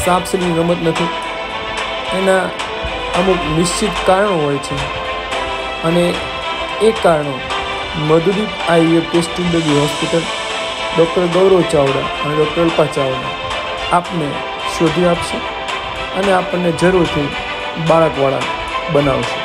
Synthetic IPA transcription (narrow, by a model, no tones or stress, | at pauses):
sãpʰsəliinəmət̪nət̪ʰi | ena | əmuknɪʃt͡ʃʰit̪kaɾəɳ̃ɦojt͡ʃʰe | əne | ekaɾɳ̃e | məd̪ud̪it̪ajekesʈulɖəɡiɦɔspiʈəl | ɖɔk̚ʈəɭɡəʋɾot͡ʃaʋɽa̰əneɖɔk̚ʈəɭpat͡ʃaʋɽa̰ | apne | ʃod̪ʱiapʃe | əneapəɳːed͡ʒəɾuɾt̪ʰi | baɭəkʋaɭa̰ | bəna̰ʋʃe